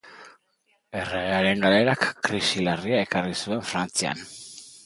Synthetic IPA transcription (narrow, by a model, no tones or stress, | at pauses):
e̞reɣeaɾe̞ŋɡale̞ɾakːɾisilariae̞karisue̞ɱfɾant͡sia̰n